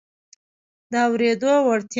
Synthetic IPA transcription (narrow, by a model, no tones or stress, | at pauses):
d̪əawɾed̪owaɽt̪j